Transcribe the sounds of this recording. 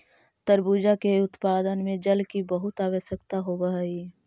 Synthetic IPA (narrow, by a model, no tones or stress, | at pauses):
t̪əɾbuːd͡ʒakeʊt̪paːd̪ənmẽd͡ʒəlkibəɦʊt̪aːʋəsəkt̪aɦobəɦi